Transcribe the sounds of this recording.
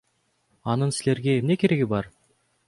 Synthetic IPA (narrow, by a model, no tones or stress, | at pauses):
ɑnɯnsile̞ɾɡʲe̞emne̞kʰʲe̞ɾe̞ɡʲɪbɑɾ